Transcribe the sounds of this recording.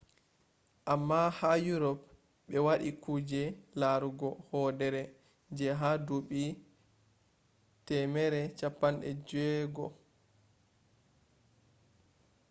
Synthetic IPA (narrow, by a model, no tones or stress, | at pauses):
ʔamːahajuɾɔp | ɓɛwaɗikuːd͡ʒɛlaɾuɡɔhɔdɛɾɛ | d͡ʒɛɦaduɓi | tɛmɛɾɛt͡ʃapːanɗɛ̰d͡ʒɛɡɔ